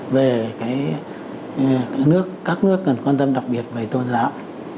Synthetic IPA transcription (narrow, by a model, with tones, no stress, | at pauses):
ve˨˩kaː˨˦j | nɨ˦˥əkːaː˦˥k̚nɨ˦˥əkːə˨˩nkwaː˧nt̪ə˧mɗa˨˩k͡p̚ɓi˨˩ət̚və˨˩jt̪o˧nza̰ː˧˥w